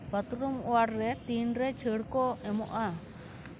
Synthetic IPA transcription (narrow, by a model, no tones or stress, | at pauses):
bat̪ɾumɔwaɾːɛt̪inɾɛt͡ʃʰəɽkɔɛmɔʔa